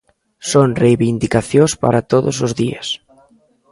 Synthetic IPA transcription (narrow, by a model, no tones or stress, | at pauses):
soŋrejβind̪ikaθjospa̰ɾat̪oðʊsozðiɐ̰s